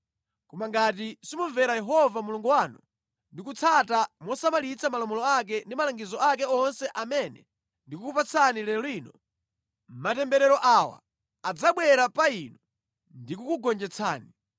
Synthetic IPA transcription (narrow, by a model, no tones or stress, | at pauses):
kɔmaŋɡat̬isimuɱvɛɾajɛɦɔvamuluŋɡuwaːnɔ̰ | ndikut͡sʰatamɔsamalit͡sʰamalɔmɔlɔak̬ɛndimalaŋɡizɔak̬ɛɔnsɛʔamɛnɛ | ndikukupat͡sʰanilɛlwiːnɔ | m̩matɛmbɛɾɛɾɔʔawa̰ | ad͡zaɓwɛɾapainɔ | ndikukuɡɔnd͡ʒɛt͡sʰa̰ːni